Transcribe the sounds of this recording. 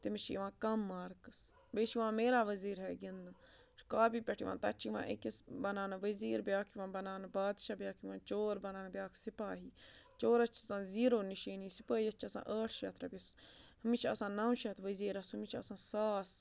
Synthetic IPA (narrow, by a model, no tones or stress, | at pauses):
t̪imiʃḭːʋãːkɐmːaːɾkɨs | beʃiʋãːmeːɾaːʋəziːɾɦɛːɡind̪ | ʃkaːbiːpʲɐʈʰiʋã̰ːnt̪ɐt͡ʃʰiʋã̰ːʔḛkisbɐnaːnʋəziːɾbjaːkʰjiʋãːbɐnaːnbaːd̪ʃaːbjaːkʰiʋãːt͡ʃoːɾbɐnaːnbjaːkʰsɪpaːɦiːt͡ʃoːɾɐt͡ʃʰsãːziːɾoːniʃiːniːsɪpəːiɐt͡ʃʰɐsã̰ːʔəːʈʰʃɐːt̪ɾabʲishɐmiʃaɐsãːnaːwʃɐt̪ʰʋəziːɾɐsumiʃaɐsãːsaːs